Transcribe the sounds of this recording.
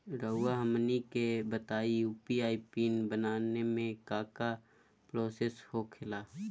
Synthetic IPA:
ɾəʊːaɦəmnikebət̪aːijuːpiaːipiːnbənaːnemẽkaːka | pɾoːseːshokʰɪlaː

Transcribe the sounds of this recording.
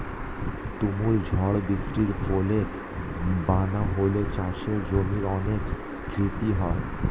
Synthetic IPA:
t̪umuld͡ʑʱɔɽbisʈiɾfoleɾ | banaɦolet͡ɕaʃeɾd͡ʑomiɾɔnekː | ɾit̪iɦɔe

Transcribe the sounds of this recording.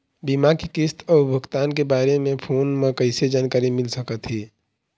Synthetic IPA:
bimakikɪst̪ʰɔːbʱəɡt̪aːnk̬ebaːɾemẽpʰoːnmẽkəɪsed͡ʒaːnkaːɾimɪlsəkət̪ɦiː

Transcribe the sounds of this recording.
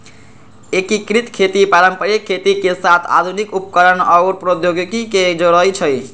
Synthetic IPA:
ekikɾit̪kʰet̪ipaɾəmpəɾjkʰːet̪ikesat̪ʰa̰d̪ʱunikupkəɾənɔwɾpɾod̪joɡɡiked͡ʒɔɽəjt͡ʃʰəj

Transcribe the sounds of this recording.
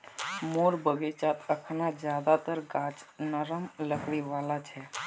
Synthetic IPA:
moːɾbəɡet͡ʃat̪əkʰnad͡ʒjaːd̪at̪əɾɡãːt͡ʃnəɾəmləkɽiʋaːlat͡ʃʰɛ

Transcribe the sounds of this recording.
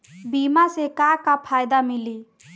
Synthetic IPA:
biːmasekakapʰaːjd̪amɪli

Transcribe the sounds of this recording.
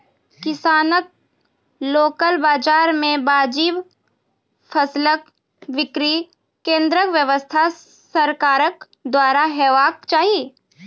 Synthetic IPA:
kɪsaːnək̚ | loːkəlbaːd͡ʒaːɾmẽbaːd͡ʒiːʋ | fʰəslək | ʋɪkɾi | kẽːnd̪ɾəkʋjəʋəst̪ʰa | səɾkaːɾək | d̪waːɾaɦɛːʋaːkt͡ʃaːɦiie

